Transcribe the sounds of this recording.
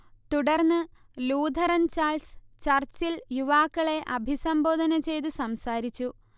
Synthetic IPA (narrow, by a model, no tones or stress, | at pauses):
t̪uɽɐrnːɨ | luːd̪ʱɐɾɐnt͡ɕaːlst͡ɕɐrt͡ɕiljuʋaːkːɐɭe̞ʔɐbʱisɐmbo̞ːd̪ʱɐnɐt͡ɕe̞jt̪̬usɐmsaːɾit͡ɕːu